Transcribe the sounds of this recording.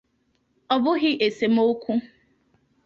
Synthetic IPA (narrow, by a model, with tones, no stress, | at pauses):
ɔ˨bʊ˦ɣɪ˦ʔe˨se˨m̩˦o˦kʷu˦